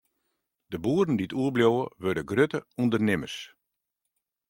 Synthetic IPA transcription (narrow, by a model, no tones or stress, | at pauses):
d̥əbuːədən̩diətʰuəbljoːəʋødəɡrøtəundərnɪməs